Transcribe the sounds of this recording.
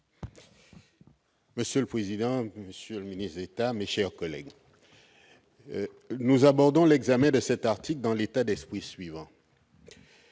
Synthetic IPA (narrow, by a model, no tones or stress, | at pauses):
məsjøləpχezid̪ɑ̃məsjøləminist̪d̪et̪ameʃɛʁkɔlɛ̰ɡ | nuzabɔʁd̪ɔ̃lɛɡzamɛ̃d̪əsɛt̪aʁt̪ikld̪ɑ̃let̪ad̪ɛspχisɥivɑ̃